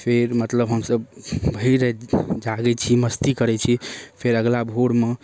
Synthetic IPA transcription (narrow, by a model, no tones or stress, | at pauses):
pʰeɾmət̪ləbɦəmsəbbʱəiɾəd͡ʒaɡɛt͡ʃʰiməst̪ikəɾɛt͡ʃʰipʰeɾəɡlabʱoɽme